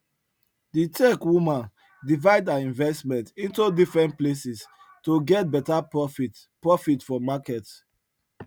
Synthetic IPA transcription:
ditɛkwũmãn | divaɪdãnĩnvɛstmɛ̃ntĩntudifɹɛ̃ntplesis | toɡɛt̚bɛtaf | pɹɔfitfɔmakɛt

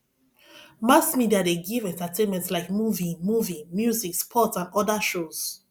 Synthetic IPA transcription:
masmidiadeɡivɛ̃ntatʰẽnmɛ̃ntslaɪkmuvĩmuvĩmjuzikspʰɔtsãnɔdaʃoz̥

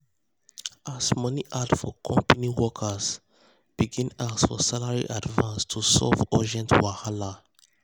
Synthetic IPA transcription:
ʔasmɔniʔadfɔkʰɔ̃mpaniwɔkʰəs | b̥iɡĩnasfɔ̰salaɹḭʔadvãnstʰusɔ̰vɔd͡ʒɛ̃ntʰwahala

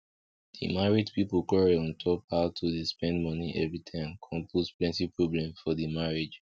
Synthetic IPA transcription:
dḭmaɹidpipkɔɹiɔ̃ntʰɔphaʊtʰudispɛ̃ndmɔ̃niʔɛvɹitʰãɪ̃mkʰɔ̃mpʰutplɛ̃ntipɹoblɛ̃mfɔdimaɹed͡ʒ

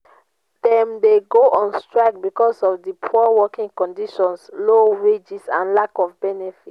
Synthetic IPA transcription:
d̥ɛ̃mdeɡoʔɔ̃nstɹaɪk̚bikɔsɔfdipʰuawɔkĩŋkɔ̃ndiʃɔ̃nsloɹed͡ʒisãnlakɔfbɛnɛfit

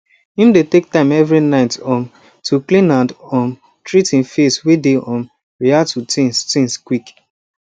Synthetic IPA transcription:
hĩmdetek̚tãɪ̃mɛvɹinaɪtɔ̃n | tʰuklĩnãndɔ̃n | tɹitĩnfeswideʔɔ̃m | ɹiatutʰĩnstĩnskwik

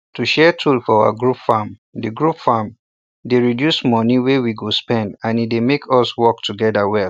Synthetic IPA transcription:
tuʃɛtʰulfɔawa̰ɡɹupfãm | diɡɹupfam | deɹidjusmɔniwewiɡospɛ̃ndãnidemekʰɔswɔk̚tʰuɡɛdawɛl

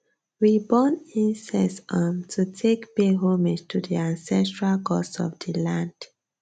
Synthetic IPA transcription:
wibɔnĩnsɛsamtʰutʰekbeɦõmed͡ʒtʰudiãnsɛstɹalkɔsɔ̰fdilãnd̥

